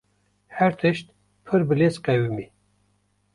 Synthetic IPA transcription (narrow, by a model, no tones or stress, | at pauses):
hæɾt̪ʰɨʃt̪̚ | pʰɨɾbɨlesqɛwimi